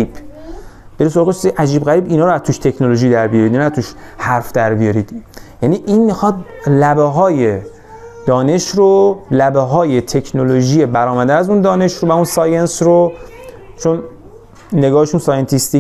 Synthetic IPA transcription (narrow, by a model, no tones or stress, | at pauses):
ib̥ | b̥e̞ɾis̬oɒːɣessiʔæd͡ʒiːbɣæɾiːbinɒːɾoæzt̪uːʃt̪ʰe̞cʰnoloʒiːd̪æɾbijɒɾid̪inæt̪ʰuːʃhæɾfd̪æɾbijɒɾid̪̥jæniːʔinmixɒd̪̚læbeɦɒːje̞ | d̪̥ɒːne̞ʃɾolæbeɦɒːje̞t̪ʰe̞kʰnoloʒiːjebæɾɒːmæd̪eæzund̪ɒːne̞ʃɾovæunsɒːjensɾo | t͡ʃʰo̞nː | e̞ɡɒːheʃunsɒːjent̪ʰist̪i